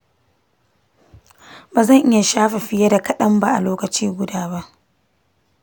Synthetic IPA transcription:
baː˨zɐ˦˨ŋʔɪ˦ja˨ʃaː˦ɸe˨ɸɪ˦jɐ˦da˨kɐ˦ɗɐ˦mba˨ʔa˨loː˦kɐ˨t͡ʃiː˦ɡʷʊ˦daː˦ba˦ʔ

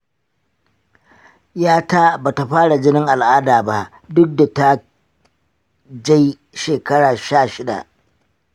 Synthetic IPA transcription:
jaː˦taː˦baː˨ta˨ɸaː˦ɽa˨d͡ʒɪ˦nɪ˦ŋʔa˨lʔaː˦daː˨ba˦ʔ | dʊ˦k̚da˨ta˦ | d͡ʒa˦j | ʃeː˨kɐ˦ɽaː˨ʃaː˦˨ʃɪ˦da̰˨ʔ

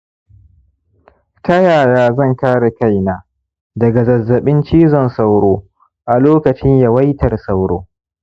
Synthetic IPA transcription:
tɐ˦jaː˨jaː˦zɐ˦˨ŋkaː˦ɽa˨ka˦jnaː˨ | dɐ˨ɡa˨zɐ˨zːɐ˨ɓɪ˦nt͡ʃiː˦zɔ˨nsa˦wɽoː˦ | ʔa˨loː˦kɐ˨t͡ʃɪ˦ɲja˦wɐ˦jtɐ˨rsa˦wɽoː˦

